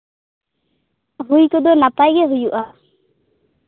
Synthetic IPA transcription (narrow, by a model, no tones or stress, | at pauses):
ɦujkɔd̪ɔnap̪ajɡɛɦujuʔa